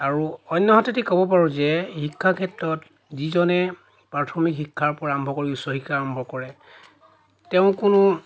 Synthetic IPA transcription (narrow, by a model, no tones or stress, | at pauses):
aɹuɔjnːɔɦɔtetikɔbɔp̬aɹuzɛhikʰːakʰɛtɹɔt | zizɔnɛ | pɹatʰɔmikhikʰːaɹpɔɹaambʱɔkoɹiʊsɔɦikaɹɔmbʱɔkɔɹɛ | tɛʊ̃kʊnʊ